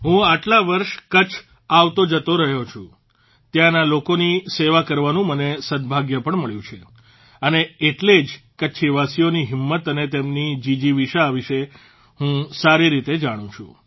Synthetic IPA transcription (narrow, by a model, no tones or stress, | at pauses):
ɦũaʈlaʋəɾʃkət͡ʃʰ | aʋt̪od͡ʒət̪oɾəɦjot͡ʃʰũ | t̪jãnalokoniseʋakəɾʋanũmənesəd̪bʱaɡjəpəɳməɭjũt͡ʃʰe | əneːʈled͡ʒkəːʃʰiʋasijoniɦimːət̪ənet̪emnid͡ʒid͡ʒiʋiʃaaʋiʃe | ɦũsaɾiɾit̪ed͡ʒaɽ̃ũt͡ʃʰṵ̃